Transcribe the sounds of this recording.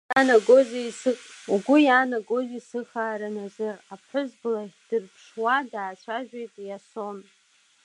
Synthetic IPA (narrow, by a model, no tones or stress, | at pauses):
anaɡozaisɨuɡʷʊjaːnaɡo̞zʷisɨχaːɾanazɨrapʰħʊzbɨlad̥ɨrpʰʂwadaːt͡ɕʷʰaʒᶣejtʼjason